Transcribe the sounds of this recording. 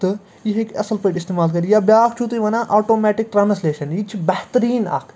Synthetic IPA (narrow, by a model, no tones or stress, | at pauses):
t̪ɨ | jiɦekɐsɐlpeːʈɪst̪eːmaːlkɐɾijabjaːkt͡ʃʰut̪iʋɐnãʔoːʈoːmɛːʈɪk̚ʈɾãːnsleːʃɐnit͡ʃʰibɛht̪əɾiːna̰kʰ